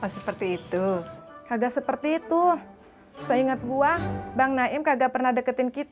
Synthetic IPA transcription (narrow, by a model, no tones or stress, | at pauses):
ɔsəpərt̪iːt̪ukaɡaʔsəpərt̪iːt̪u | səiŋət̪̚ɡuabaŋnaʔɪmkaɡaʔpərnahdəkət̪ɪnkit̪